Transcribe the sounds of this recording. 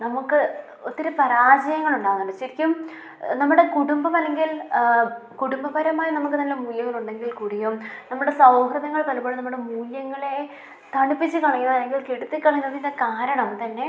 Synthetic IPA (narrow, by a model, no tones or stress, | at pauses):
nɐmukːɨ | ot̪ːiɾupɐɾaːd͡ʑɐjɐŋːɐɭuɳɖaːɣɐnːɐɖɐt͡ɕːɐɾikʲːum | nɐmːuɽe̞kuɽumbɐmɐlːe̞ŋɡil | kuɽumbɐbɐɾɐmaːjɐnɐmuk̬ːɨt̪ɐnːemuːljɐŋːɐɭuɳɖe̞ŋɡilkuɽijumnɐmːuɽe̞sɐwɦrɐðɐŋːɐɭpɐlpoɭunɐmːuɽe̞muːljɐŋːɐɭe̞ | t̪ɐɳipːit͡ɕːɨkɐɭɐŋːunːlːe̞ŋɡilkeɽut̪ːikʲːɐɭɐŋunɐðindekaːɾɐɳɐmt̪ɐnːe̞